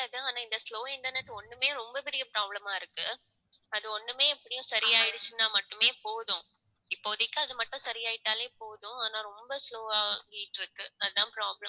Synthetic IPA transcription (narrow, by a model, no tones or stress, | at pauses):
aːɣɐaːnaːɪnd̪ɐsloːɪɳʈɐɾnɛʈːɔɳːɯmeːɾɔmbɐpɪɾɪjɐpɾaːblɐmaːɪɾɯkːɯ | ɐðɯɔɳːɯmeːɛpːɐɽɪjʊ̃sɐɾɪjaːɪɽɯsːʊnːaːmɐʈːɯmeːpoːðʊ̃ | ɪpːoːðɪkːɐɐðɯmɐʈːʊ̃sɐɾɪjaːjɪʈːaːleːpoːðʊ̃aːnaːɾɔmbɐsloːaːŋɡɪjɪʈːɪɾɯkːɯɐðɯt̪ãːpɾaːblɐ